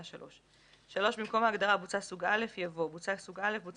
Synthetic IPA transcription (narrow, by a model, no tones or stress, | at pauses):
ʃalʔo̞ʃ | ʃalo̞ʃbimko̞mhaːɡd̪aʁabut͡sasuɡale̞fjavo̞but͡sasuɡale̞fbut͡s